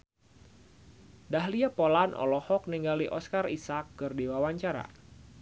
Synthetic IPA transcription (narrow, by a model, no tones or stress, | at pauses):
daɦliapolanʔɔ̰lɔhɔk̚niŋɡaliʔɔskarisakːɨrdewawaɲt͡ʃaɾa̰